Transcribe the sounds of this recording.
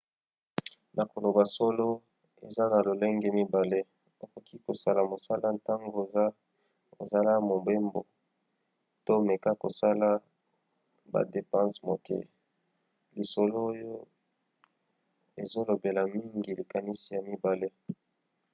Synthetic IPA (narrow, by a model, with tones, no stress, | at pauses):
nʔa˨ko˨lo˨ba˨so˦lo˦ | e˨za˦na˨lo˨le˦ŋɡe˦mi˦ba˨le˦ | o˨ko˨kʰi˦ko˨sa˦la˨mo˨sa˦la˦nta˦ŋɡo˨e˨za˦ | o̰˨za˦la˦mo˨mbe˦mbo˨ | to˦me˨ka˦ko̰˨sa˦la˦ | ba̰˨de˨pã˦smo˨kḛ˦˨ | li˨so˨lo˦jo˦ | e˨zo˦lo˨be˨la˨mi˦ŋɡi˨li˨ka˨ni˦si˨ja˨mi˦ba˨le˦